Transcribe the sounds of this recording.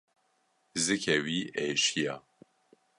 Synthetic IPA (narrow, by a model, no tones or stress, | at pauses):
zɨkʰɛwiʔeːʃijɑ̰